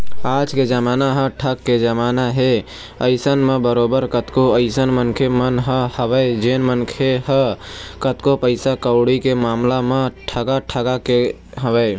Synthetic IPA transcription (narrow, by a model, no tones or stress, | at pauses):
aːd͡ʒked͡ʒəmaːnaɦə̃ʈʰəkːed͡ʒəmaːnaɦe | əɪsənmẽbəɾoːbəɾkət̪koəɪsənmənkʰemənɦəhəbəɪd͡ʒeːnmənkʰeɦəkət̪kopəɪsakəʊɽikemaːmlamẽʈʰəɡaʈʰəɡake | ɦəbə